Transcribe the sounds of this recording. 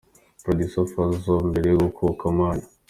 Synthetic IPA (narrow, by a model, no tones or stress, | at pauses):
pɾodusofazombeɾeɡokʰukamaːna